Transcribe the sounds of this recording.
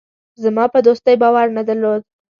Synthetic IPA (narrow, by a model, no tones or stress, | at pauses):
zamɑpəd̪ost̪əjbɑwaɾnad̪əɾlod̪̚